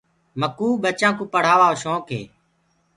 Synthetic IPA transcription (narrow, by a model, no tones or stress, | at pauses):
məkuːɓət͡ʃãːkũːpəɽ̤aːʋaːoːʃõːkḛː